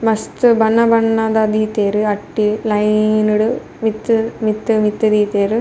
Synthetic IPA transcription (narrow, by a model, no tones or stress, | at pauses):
mɐst̪ɨbɐnɐbɐnːɐd̪ɐd̪iːt̪eːɾɨɐʈːilɐjnuɽu | mit̪ːɨmit̪ːɨmit̪ːɐd̪iːt̪eːɾɨ